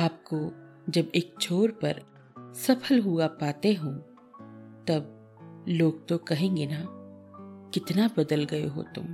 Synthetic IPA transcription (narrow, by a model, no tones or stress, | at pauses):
aːp̚ko | d͡ʒɐbeːk̚t͡ʃʰoːɾpɐɾ | sɐpʰəlɦuapaːt̪eɦũ | t̪ɐb | loːɡ̚t̪okɐɦẽːŋɡena | kɪt̪nabɐd̪əlɡɐjo̰ɦo̰t̪ʊ̰m